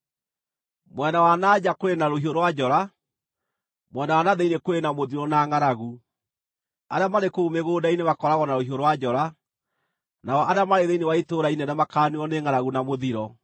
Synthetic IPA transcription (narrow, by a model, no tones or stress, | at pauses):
mwɛndawanaːd͡ʑakoenaɾohioɾwad͡ʑɔɾa | mwɛndawanaðeinekwenamoðiɾɔnaŋaɾaɣu | a̰ɾeamaɾekoumeɣoːdainemakɔɾaɣɔnaɾohioɾwad͡ʑɔɾa | naɔʔaɾeamaɾeðeinewaitoɾainenamakaːniɔneŋaɾaɣunamoðiɾɔ